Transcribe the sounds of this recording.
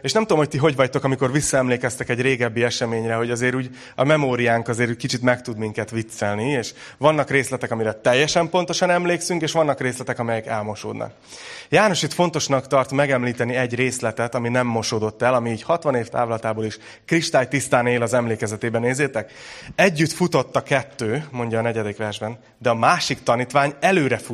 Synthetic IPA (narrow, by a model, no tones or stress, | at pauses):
eːʃnɛmt̪uomhoc̚t̪iɦo̞ɟvɒct̪o̞kɒmiko̞rʋisːɒɛmleːkɛst̪ɛkɛɟreːɡɛbːiɛʃɛmeːɲrɛɦo̞ɟɒzeːɾuːɟ | ɒmɛmoːɾijaːŋkɒzeːɾuːɟkit͡ʃit̪mɛkt̪ud̪miŋkɛt̪ʋit̪sːɛlnieːʃ | ʋɒnːɒkreːslɛt̪ɛkɒmiɾɛt̪ɛjːɛʃɛmpo̞nt̪o̞ʃɒnɛmleːksyŋkeːʃʋɒnːɒkreːslɛt̪ɛkɒmɛjɛkɛlmo̞ʃo̰ːd̪nɒ̰k̚ | jaːno̞ʃit̪fo̞nt̪o̞ʃnɒkt̪ɒrt̪mɛɡɛmliːt̪ɛniɛɟreːslɛt̪ɛt̪ɒminɛmːo̞ʃoːd̪o̞t̪ːɛlɒmiːɟhɒt̪ʋɒneːft̪a̰ːvolɒt̪aːboːliʃ | kriʃt̪aːjt̪ist̪aːneːlɒzɛmleːkɛzɛt̪eːbɛneːzeːt̪ɛkɛɟːyt̪fut̪o̞t̪ːɒkɛt̪ːøːmo̞ɲɟɒːnɛɟɛd̪ikʋɛrʒbɛn | d̪ɛɒmaːʃikt̪ɒniːt̪ʋaːɲɛløːɾɛfu